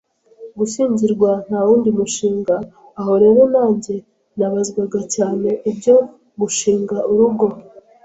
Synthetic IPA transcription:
ɡusiːɲɟiɾɡwan̥hawuːndimuʃiːŋɡaː | ɦo̞ɾe̞ːɾo̞naːɲɟe̞ | naβazɡwaɡacaːne̞ʔibɟo̞ | muʃiːŋɡauɾuɡo̞

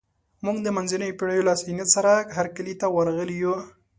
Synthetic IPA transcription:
muɡd̪əmanzɪnəjpɪɽajolasinjat̪saɾaɦaɾkəlit̪awaɾɣəliju

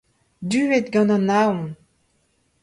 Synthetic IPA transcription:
d̪yːet̪ɡɑ̃nɑ̃naɔ̃n

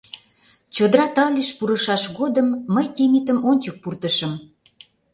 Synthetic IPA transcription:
t͡ɕod̪əɾɑt̪ɑlʲiʃpuɾəʃɑʃɣod̪əmːəjt̪emit̪əmonʲt͡ɕək̚purt̪əʃəm

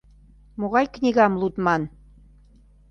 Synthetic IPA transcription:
moɣɑjknʲiɣɑmlut̪mɑn

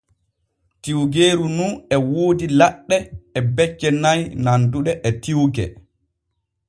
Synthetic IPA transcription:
tiwɡeːɾununɛwoːdilaɗːɛɛbɛt͡ʃːɛnajnanduɗɛʔɛtiwɡɛ̰

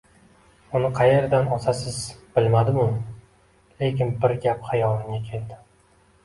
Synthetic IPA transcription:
ʊnɪqʰɑje̞ɾd̪anɒt̪ʰasɪzb̥ɪlmad̪ɪmʊm | le̞kʲɪnbɪɾɡʲaphajɒlˠɪŋʲakʲʰe̞ld̪ɪ

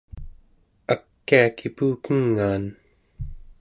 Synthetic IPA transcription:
akːiakipuːkəŋːaːn

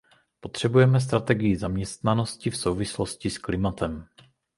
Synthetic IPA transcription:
po̞t̪r̝̥ɛbujɛmɛs̬t̪ɾat̪ɛɡɪjɪzamɲɛst̪nano̞scɪfso̞wvɪsloscɪsklɪmat̪ɛm

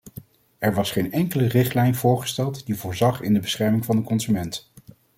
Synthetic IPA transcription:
ʔɛɹʋɑsχejnɛŋkələrɪχtlɛjnv̥ʊːɹχə̥stɛlˠtdivʊːɹzɑχɪ̰ndəbəsχɛɹmɪŋvɑndəkɔnzymɛnt

